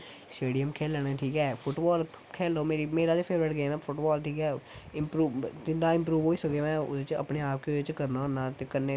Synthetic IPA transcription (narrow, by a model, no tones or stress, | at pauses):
sʈeːɖijəmkʰɛːlɛːɽ̃eːʈʰiːkɛːpʰʊʈbaːl | kʰɛːlːoːmeːɾiːmeːɾaːd̪eːpʰeːʋɾeʈɡeːmãːpʰʊʈbaːlʈʰiːkɛːɪmpɾuːt̪ɪnãːɪ̃mp̬ɾuːʋɦoːiːsəkemɛ̃ːʊ̰d̪et͡ʃə̰pɽeːaːp̚keet͡ʃkəɾnaːnːãːt̪eːkənːeː